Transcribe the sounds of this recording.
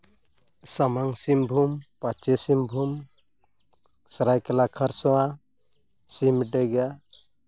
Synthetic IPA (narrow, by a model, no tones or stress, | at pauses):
samaŋsimbʱumpat͡ʃesimbʱum | saɾajkelakʰəɾsɔwa | simɖeɡa